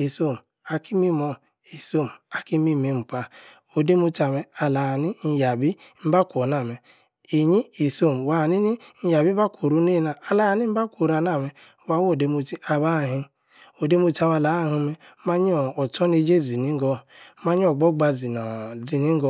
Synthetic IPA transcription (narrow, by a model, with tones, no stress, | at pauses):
i˨so˦˨m˨ | a˨ki˦mi˦mɔ˦˨ | i˨so˦m̩˨a˨ki˦mi˦˨mi˦m̩˨pa˦ | o˨de˦mu˦ta˨me˦a˨la˨ni˦n̩˨ja˨bi˦m̩˦ba˦kʷo˨na˨me˨ | i˨ɲi˦i˨so˦˨m˨wa˨ni˦ni˦n̩˦ja˨bi˦ba˦kʷo˨ɾu˦ni˦na˨a˨la˦a˨ni˦m̩˦ba˦kʷo˨ɾa˨na˦˨me˦ | wa˨wo˦˨de˦mu˦ti˦a˨ba˦˨ɦi˦ | o˨de˦mu˦ta˦ma˨la˨˦˨ɦu˦me˦ma˦ɲ˦ɔ˨ɔ˨tɔ˦ne˦d͡ʒe˦zi˨ni˦ŋ˦ɡɔ˦ma˦ɲ˦ɔ˨ɡ͡bɔ˦ɡ͡ba˨zi˨nɔ˨zi˨ni˦ŋ̩˦ɡɔ˦